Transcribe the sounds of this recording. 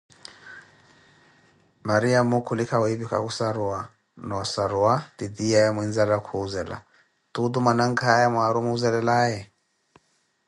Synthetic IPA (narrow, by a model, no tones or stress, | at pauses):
maɾiamukulikawibika̰kusaɾua | nɔsaɾuat̪idiajamwinzalakʰuuzɛla̰ | tud̪umanaŋɡajamwaaɾumuuzɛlɛlajɛ